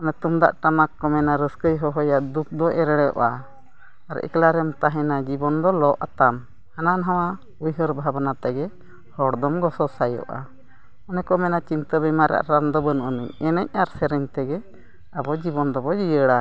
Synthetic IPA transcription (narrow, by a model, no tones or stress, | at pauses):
ɔnɛt̪umd̪a̰ʔʈamakːɔmɛnaɾəskəjɦɔɦɔjaʔd̪ut̪̚d̪ɔʔɛɾɛɽjɔ̰ʔa | aɾɛ̰klaɾɛmt̪aɦɛ̃nad͡ʒibɔnd̪ɔlɔʔat̪am | hananɦaw̃a | ujɦəɾbʱabnat̪ɛɡɛ | hɔɽd̪ɔmɡɔsɔsajɔ̰ʔa̰ | ɔnɛkɔmɛnat͡ʃint̪əbɛmaɾa̰ʔɾand̪ɔbənʔənḭɲɛnɛɲ̚aɾsɛɾɛɲt̪ɛɡɛ | abɔd͡ʒibɔnd̪ɔbɔd͡ʒijəɽa